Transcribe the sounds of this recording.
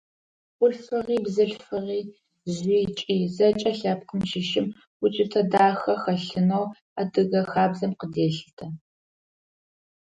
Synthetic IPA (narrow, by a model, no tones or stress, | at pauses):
ʊɬfɐʁiːbzɨɬfɐʁiː | zʑiːt͡ʃʼiːzɐt͡ʃʼɐɬɐp̚qəmʃɪʃɪm | wʊt͡ʃʼɪtʰɐdaːxɐxɐɬɨnow | adɨɣɐxaːbzɐmqədeːɬɨtʰɐ